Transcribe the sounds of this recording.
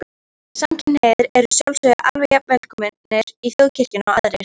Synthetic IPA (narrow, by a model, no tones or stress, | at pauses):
samcʰɪnhɛːðɪɾɛɾʏsjawlsvœða̰ʔalvɛjapnɛlkʰʏmɪnɛɾ̥iθjowcʰɪr̥cɪnawa̰ðɾɪɪɾ̥